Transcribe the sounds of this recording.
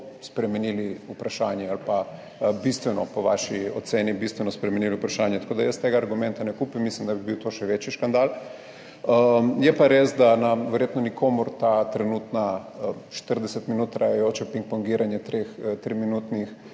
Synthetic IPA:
spɾɛmɛniːliupɾaʃaːnjɛalpa | bist̪ʋɛnɔpoʋa̰ʃiot̪seːnibist̪ʋɛnɔspɾɛmɛniliupɾaʃaːnjɛt̪ḁkoːd̪ajəst̪eːɡaːɾɡumɛ̃nt̪anɛkuːpimːislimd̪abibiwt̪oʃɛʋet͡ʃiʃkand̪al | əjɛpaɾeːsd̪anaʋɛɾjeːt̪nonikʰoːmuɾt̪at̪ɾɛnut̪naʃt̪əɾd̪ɛsɛt̪minuːt̪ːɾajajoːt͡ʃɛpiŋk̚poŋɡiɾanjɛt̪ɾext̪ɾiminuːt̪nix

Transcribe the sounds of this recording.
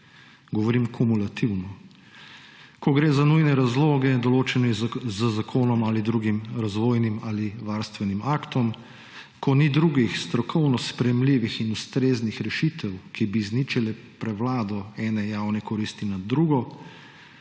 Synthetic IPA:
ɡɔʋɔɾimkʰumulat̪iwnɔ | kɔɡɾeːzanujnɛɾazloːɡɛd̪ɔloːt͡ʃɛnɛzəzakʰoːnɔmalid̪ɾuɡimɾazʋoːjnimaːliʋaːɾst̪ʋɛnimaːkt̪ɔm | kʰɔnid̪ɾuːɡixst̪ɾɔkʰɔwnɔspɾɛjɛmliʋixinust̪ɾeːznixɾɛʃit̪ɛwkibiznit͡ʃilɛ | pɾɛwlaːd̪ɔɛːnɛjaːwnɛkɔɾist̪inad̪ɾuɡɔ

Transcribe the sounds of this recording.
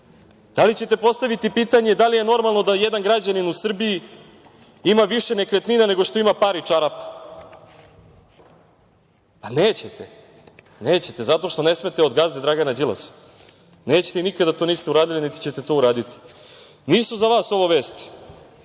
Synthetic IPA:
d̪̥alit͡ɕe̞t̪epo̞st̪aʋit̪ipiːt̪aɲe̞d̪alijeno̞ɾmalˠno̞d̪ajed̪anɡɾad͡ʑaninusr̩bii | imaʋiʃene̞kɾet̪ninane̞ɡo̞ʂt̪o̞imapaɾit͡ʂaɾapḁ | paneːt͡ɕet̪ḛ | neːt͡ɕet̪e̞zat̪o̞ʃt̪o̞ne̞sme̞t̪eod̪ɡazd̪ed̪ɾaɡanad͡ʑilˠa̰s | neːt͡ɕet̪einikad̪at̪o̞ːniːst̪euɾaːd̪ilinit̪i̥t͡ɕet̪et̪o̞uɾaːd̪it̪i̥ | niːsuzaʋaːso̞ʋo̞ʋe̞ːst̪i̥

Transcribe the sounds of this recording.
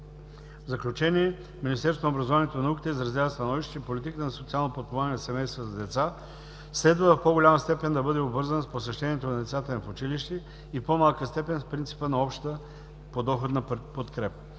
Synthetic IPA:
vzɐklʲut͡ʃɛniɛ | minist̪ɛɾst̪onobɾɐzovanɛt̪onɐukʲi̥t̪əizɾɐzʲavəst̪ɐnɔviʃt̪ɛipolʲit̪ikət̪nsot̪sialˠnopot̪̚povanʲɛnɐsɛmɛjst̪vəzɐd̪ɛt̪sa | slɛd̪vəfpoɡolʲaməst̪ɛpɛnd̪ɐbɤd̪ɛobvɤɾzənosposɛʃt̪ɛnʲiɛt̪onɐd̪ɛt̪sat̪ənɐfʊt͡ʃiliʃt̪ɛ | ipomalˠkəst̪ɛpɛnspɾint̪si̥pənɐɔpʃt̪t̪ə | pod̪ɔxot̪nɐpot̪kɾɛpə

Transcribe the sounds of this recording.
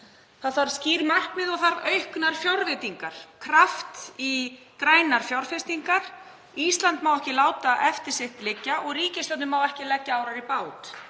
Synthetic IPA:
θaðθaɾ̥sciːɾmar̥kmɪðɔɣθaɾœɥhknaɾ̥fjɔwɾvɪt̪iŋkaɾ̥kʰɾaft̪i | kɾaːjnaɾ̥fjawɾ̥fɪst̪iŋkaɾ | ist̪lant̪mawɛhcɪlaːwt̪aʔɛft̪ɪɾ̥sɪht̪lɪcːaʔɔɣriːcɪsat̪nʏmawɛhcɪlɛcːaaːwɾaɾipaːwt̪

